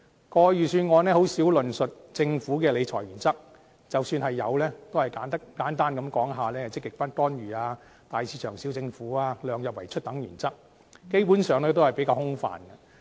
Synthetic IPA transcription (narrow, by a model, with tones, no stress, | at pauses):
kɔː˧jyː˨˩syː˧nŋɔː˨˧nɛː˥ho˨˥wsiː˨˥wlɵ˨nsɵ˨t̚t͡sɪ˧ŋfuː˨˥kɛː˧le˨˧jt͡ʃʰɔ̰ː˨˩jyː˨˩nt͡sɐ˥k̚ | t͡sɐ˨wsyː˧nhɐ˨jːɐ̰˨˧wlɛː˥t̪o˥whɐ˨jkaː˨˥nt̪ɐ˥kaː˨˥nt̪aː˥nkɐ˨˧mkɔː˨˥ŋɦaː˨lɛː˥hɐ˨wt͡sɪ˥kːɪ˨k̚faː˥nt̪ɔː˥nɥyː˨˩aː˧ | t̪aː˨jsʰiː˨˧˥t͡ʃʰœː˨˩ŋsiː˨˥wt͡sɪ˧ŋfuː˨˥aː˧lœː˨˧ŋjɐ˨p̚wɐ˨˩jt͡ʃʰɵ˥t̚t̪ɐ˨˥ŋjyː˨˩nt͡sɐ˥k̚ | ke˥jpuː˨˥nsœː˨˧ŋlɛː˥t̪̬o˥whɐ˨˩jpe˨˥kaː˧hʊ˥ŋfa̰ː˨nɡɐ˧